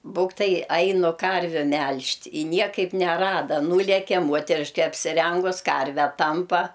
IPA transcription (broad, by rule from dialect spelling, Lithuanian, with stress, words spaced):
ˈbuːktɐɪ ˈɐɪnʊ ˈkɐrʲʋʲʊ ˈmʲɛlʲʃʲtʲ ɪ ˈnʲiɛkɐɪp nʲɛˈrɑːdɐ ˈnuːlʲɛkʲɛ ˈmuɔtʲɛrʲɪʃʲkʲɛ ɐpʲsʲɪˈrʲɛŋɡʊs ˈkɐrʲʋʲæː ˈtɐmpɐ